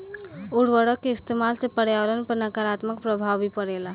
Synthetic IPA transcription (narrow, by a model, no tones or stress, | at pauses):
uɽʋəɽəkːeist̪emalsepəɽjaʋəɾənpəɾnəkaɾat̪məkpɾəbʱaʋbʱipəɽela